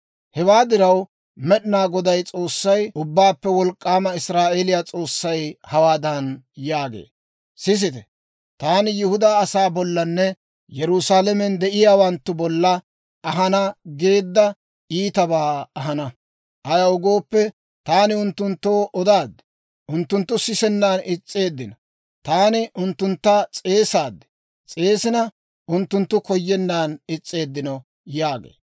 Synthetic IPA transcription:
hɛwaːd̪ɪɾɐw | mɛɗɪnaːɡɔd̪ɐjt͡sʼo̞ːsːɐjʊbːaːpːɛwɔlkʼːaːmɐɪsɾaːʔeːlɪjat͡sʼo̞ːsːɐjhɐwaːd̪ɐnjaːɡḛː | sɪs̬ɪt̪ɛ | t̪aːnɪjɪhʊd̪aːɐsaːbɔlːɐnːɛ | jɛɾʊsaːlɛmɛnd̪ɛʔɪjaːwɐnt̪ːʊbɔlːɐ | ɐɦɐnɐɡe̞ːd̪ːɐ | iːt̪ɐbaːɐɦɐnɐ | ʔɐjɐʊɡo̞ːpːɛ | t̪aːnɪʊnt̪ːʊnt̪ːoːʔɔd̪aːd̪ːɛ̥ | ʔʊnt̪ːʊnt̪ːʊsɪsɛnːaːnɪt͡sʼːe̞ːd̪ːɪnɐ | t̪aːnɪʔʊnt̪ːʊnt̪ːɐt͡sʼe̞ːsaːd̪ːɛ̥ | t͡sʼe̞ːsɪnɐ | ʔʊnt̪ːʊnt̪ːʊkɔjːɛnːaːnɪt͡sʼːe̞ːd̪ːɪnɔ | jaːɡḛː

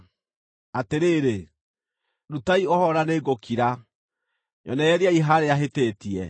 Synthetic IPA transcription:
ateɾeɾe | ɾutaiɔhɔɾaneːɡokʰiɾa | ɲɔ̰nɛɛɾiaiɦaɾeaɦetetiɛ

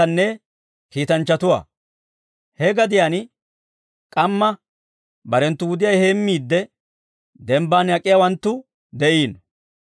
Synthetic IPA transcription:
ɐnːɛ | kiːt̪ɐnt͡ʃːɐt̪ʊwa̰ː | hɛɡɐd̪ɪjaːn | kʼɐmːɐ | bɐɾɛnt̪ːʊwʊd̪ɪjɐjhe̞ːmːiːd̪ːɛ | d̪ɛmbaːnjɐkʼːɪjaːwɐnt̪ːʊ | d̪ɛʔiːn

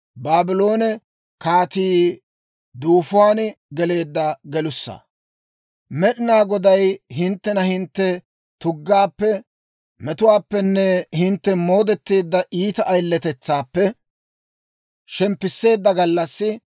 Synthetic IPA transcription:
baːbɪlo̞ːnɛ | kaːt̪iː | d̪uːfʊwaːnɡɛle̞ːd̪ːɐɡɛlʊsːɐ̰ | mɛɗɪnaːɡɔd̪ɐjɦɪnt̪ːɛnɐhɪnt̪ːɛ | t̪ʊɡːaːpːɛ | mɛt̪ʊwaːpːɛnːɛhɪnt̪ːɛmo̞ːd̪ɛt̪ːeːd̪ːɐʔiːt̪ɐʔɐjlːɛt̪ɛt͡sːaːpːɛ | ʃɛmpːɪsːe̞ːd̪ːɐɡɐlːɐsːɪ

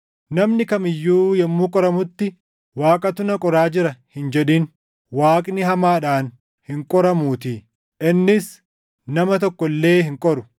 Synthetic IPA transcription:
nɐmnɪkɐmɪjːuːjɛmːuːkʼɔɾɐmʊt̪ːɪ | waːkʼɐt̪ʊnɐkʼɔɾaːd͡ʒɪɾɐhɪnd͡ʒɛᶑiːn | waːkʼnɪɦɐmaːᶑaːn | hɪŋkʼɔɾɐmuːt̪iː | ʔɪnːɪs | nɐmɐt̪ɔkːɔlːe̞ːhɪŋkʼɔɾʊ

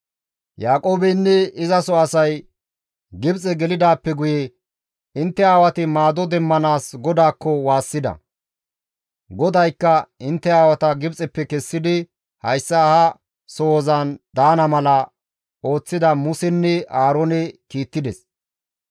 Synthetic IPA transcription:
jaːkʼo̞ːbɛnːɛɪzɐsɔɐsɐj | ɡɪbt͡sʼɛɡɛlɪd̪aːpːɛɡʊje | ɪnt̪ːɛaːwɐt̪ɪmaːd̪ɔd̪ɛmːɐnaːsɡɔd̪aːkːɔwaːsːɪd̪ɐ̰ | ɡɔd̪ɐjkːɐɪnt̪ːɛaːwɐt̪ɐɡɪbt͡sʼɛpːɛkɛsːɪd̪ɪ | hɐjsːɐhɐ | soːzɐnd̪aːnɐmɐlɐ | o̞ːt͡sːɪd̪ɐmʊsɛnːɛʔaːɾoːnɛkiːt̪ːɪd̪ɛs

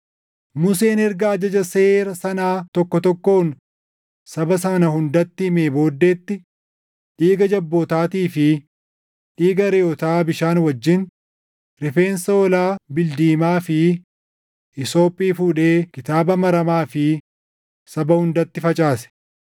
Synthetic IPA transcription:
mʊs̬e̞ːnɛɾɡɐːd͡ʒɐd͡ʒɐse̞ːɾɐsɐnaːt̪ɔkːɔt̪ɔkːo̞ːn | sɐbɐsɐnɐhʊnd̪ɐt̪ːɪhɪmeːbo̞ːd̪ːeːt̪ːɪ | ᶑiːɡɐd͡ʒɐbːoːt̪aːt̪iːfɪ | ᶑiːɡɐɾɛɔt̪aːbɪʃaːnwɐd͡ʒːɪn | ɾɪfe̞ːnsɐɔlaːbɪld̪iːmaːfɪ | ʔɪso̞ːpʼiːfuːᶑe̞ːkɪt̪aːbɐmɐɾɐmaːfɪ | sɐbɐhʊnd̪ɐt̪ːɪfɐt͡ʃʼaːsɛ̥

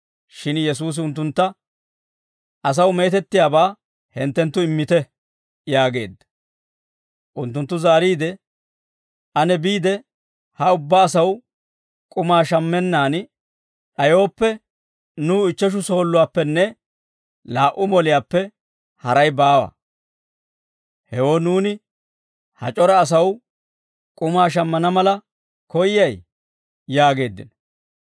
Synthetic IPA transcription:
ʃɪnjɛs̬uːs̬ɪʊnt̪ːʊnt̪ːɐ | ʔɐs̬ɐwme̞ːt̪ɛt̪ːɪjaːbaː | hɛnt̪ːɛnt̪ːʊɪmːɪt̪ɛ | jaːɡe̞̰ːd̪ːɐ̥ | ʔʊnt̪ːʊnt̪ːʊzaːɾiːd̪ɛ | ʔɐnɛbiːd̪ɛ | hɐʊbːaːsɐw | kʼʊmaːʃɐmːɛnːaːn | ᶑɐjo̞ːpːɛ | nuːɪt͡ʃːɛʃ̬ʊso̞ːlːʊwaːpːɛnːɛ | laːʔʊmɔlɪjaːpːɛ | hɐɾɐjbaːwɐ̰ | hɛwoːnuːnɪ | hɐ̰t͡ʃʼɔɾɐːs̬ɐw | kʼʊmaːʃ̬ɐmːɐnɐmɐlɐ | kɔjɪjɐj | jaːɡe̞ːd̪ːɪ̰n

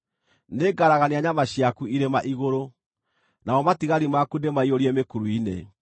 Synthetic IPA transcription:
neɡaɾaɣaneaɲamaɕjakuiɾemaʔiɣoɾo | naɔmatiɣaɾimakundemaioɾiemekuɾuinḛ

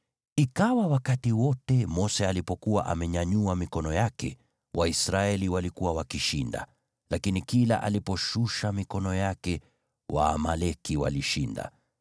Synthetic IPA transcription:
ikawawakatiwɔtɛmɔsɛalipɔkuwa̰ʔa̰mɛɲaɲuamikɔnɔjakɛ̰ | wʔaisɾaɛliwalikuwawakiʃinda̰ | lakinikila̰ʔa̰lipɔʃuʃamikɔnɔjakɛ | wa̰ːmalɛkiwa̰liʃinda̰

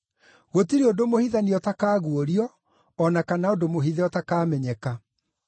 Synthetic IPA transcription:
ɣotiɾeodomohiðaniɔtakaːɣuoɾiɔː | nakanaodomoɦiðɛɔtakaːmɛɲɛka

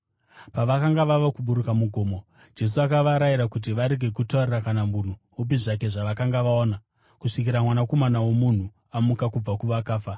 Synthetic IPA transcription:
paʋakaŋɡaʋaʋakuɓuɾukamuɡʱo̞ːmo | d͡ʒe̞s̬uakaʋaɾaiɾakut̬iʋaɾe̞ɡʱe̞kutaurerakanamun̤u | up̬iʐak̬e̞ʐaʋakaŋɡaʋaoːna | kuʂikiɾamwanako̞manawomun̤u | amukakub͡vakuʋakaːfa

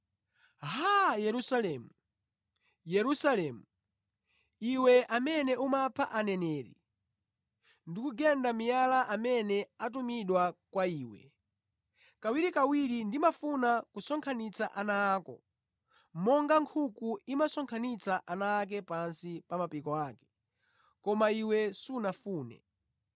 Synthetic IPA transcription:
ɦajɛɾusalɛːmu | jɛɾusalɛːmu | iwɛʔamɛnɛumapʰaʔanɛnɛːɾḭ | ndikuɡɛndamijalaʔamɛnɛat̬umiɗwakwaiːwɛ̰ | kawiɾikawiɾindimafunakusɔŋkʰanit͡saʔanaːkɔ̰ | mɔŋɡaŋkʰukuimasɔŋkʰanit͡saʔanaːk̬ɛpansipamapikɔaːkɛ̥ | kɔmaiwɛsunafuːnɛ̰

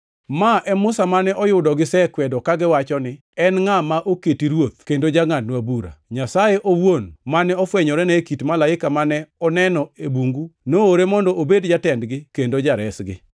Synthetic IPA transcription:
maʔɛmʊsamanɛʔɔjʊdɔɡɪsɛkwɛdɔkaɡɪwat͡ʃɔnɪ | ɛnŋamaʔoketiɾwot̪̚kendod͡ʒaɡŋadnwabuɾa̰ɲasajeʔowonmanɛɔfwɛɲɔɾɛnɛkitmalaɪkamanɛɔnɛnɔebuŋɡunooɾemɔndɔobedd͡ʒatɛndɡɪkendod͡ʒaɾɛsɡɪ̰

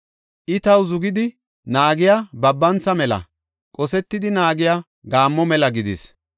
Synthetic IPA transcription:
ʔɪt̪ɐwzʊɡɪd̪ɪ | naːɡɪjabɐbːɐnt͡sːɐmɛlɐ̰ | kʼɔsɛt̪ːɪd̪ɪnaːɡɪja | ɡaːmːɔmɛlɐɡɪd̪ɪs

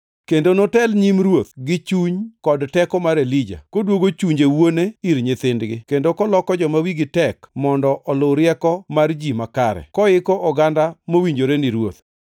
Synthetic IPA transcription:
kendonotɛlɲimɾwot̪ɡɪt͡ʃuɲkɔdtɛkɔmaɾelid͡ʒa̰kodwoɡot͡ʃuɲd͡ʒewoneiɾɲɪt̪ɪndɡɪkendokɔlɔkɔd͡ʒɔmawiɡɪtɛkmɔndɔʔɔloɾɪɛkɔmard͡ʒimakaɾɛ̰kɔɪkɔʔɔɡandamowiɲd͡ʒoɾenɪɾwot̪

